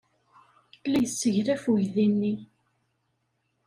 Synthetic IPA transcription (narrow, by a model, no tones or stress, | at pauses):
læjəsːəʝɾæfuʝðinːi